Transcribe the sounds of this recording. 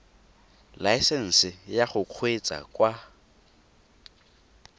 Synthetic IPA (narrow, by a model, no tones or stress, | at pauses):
laɪsɛn̩sɪjaχʊq͡χʰwet͡sʼa̰kʼwa